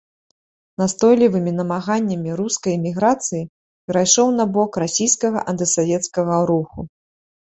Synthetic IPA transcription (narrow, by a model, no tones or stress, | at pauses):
nast̪ɔjlʲivɨmʲinɐmaɣanʲːɐmʲiɾuskɐjmʲiɣɾat̪sɨji | pʲɛɾajʂɔwn̪abɔkrasʲijskɐɣɐ̰ʔɐnt̪ɨsavʲɛt̪skɐɣɐɾuxu